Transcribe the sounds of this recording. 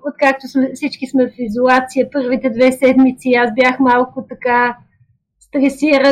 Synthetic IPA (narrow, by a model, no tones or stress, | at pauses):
ot̪̚kak̚t̪ʊsmɛfsit͡ʃkismɛfizolˠat̪sijəpɤɾvit̪ɛd̪vɛsɛd̪mit̪siasbjaxmalˠkʊt̪ɐka | st̪ɾɛsiɾə